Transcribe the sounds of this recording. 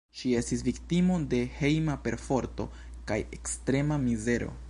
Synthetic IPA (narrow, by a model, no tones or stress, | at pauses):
ʃie̞stisviktimo̞de̞he̞jmape̞ɾfo̞ɾto̞̰ | kaje̞kstɾe̞mamize̞ɾo̞̰